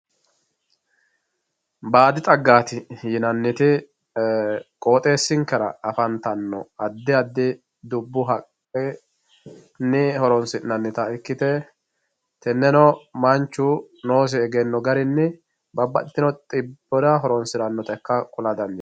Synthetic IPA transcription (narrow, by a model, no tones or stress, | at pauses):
baːd̪ɪt̪ʼɐɡːaːt̪ɪjɪnɐnːɪt̪ɪ | kʼo̞ːt̪ʼe̞ːsːɪŋkːɛɾɐ̰ɐfɐnt̪ɐnːɔ̰ɐd̪ːɪɐd̪ːɪ | d̪ʊbːʊɦɐkʼɛ | nɪhɔɾɔnsɪnɐnːɪt̪ɐɪkːɪt̪ɛ | t̪ɛnːɛnɔmɐnt͡ʃːʊ | no̞ːs̬ɪɛɡɛnːɔɡɐɾɪnːɪ | bɐbːɐ̰t̪ːɪ̥t̪ːɪnɔt̪ʼɪbːɔd̪ɐɦɔɾɔnsɪɾɐnːɔt̪ɛkːɐkʼʊlɐd̪ɐnd̪ɪ